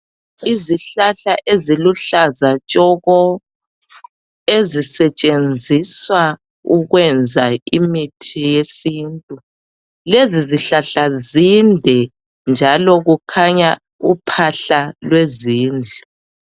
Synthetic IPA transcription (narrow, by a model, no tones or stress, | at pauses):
iziɬaɬaʔeziluɬazat͡ʃʼɔɣɔ | ezisɛt͡ʃʼend͡zʱiswa | uɣwɛnd͡zʱaimitʰijesintʼu | leziziɬaɬazindʱɛ | nd͡ʒʱalɔɣukʰaɲa | upʰaɬalweziːnd͡ɮʱu